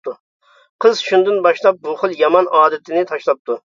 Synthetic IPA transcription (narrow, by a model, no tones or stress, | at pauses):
t̪u | qʰəzʃund̪ɨnbɑʃlˠɑp̚bʊχɨlˠjɑmɑnɑːd̪ɨt̪ʰɪnɪt̪ʰɑʃlˠɑp̚t̪ʰu